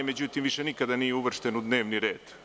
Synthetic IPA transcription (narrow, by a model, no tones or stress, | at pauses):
med͡ʑut̪imʋiʃenikad̪anijeuʋr̩ʂt̪enud̪ne̞ːʋniɾe̞ːd̪̥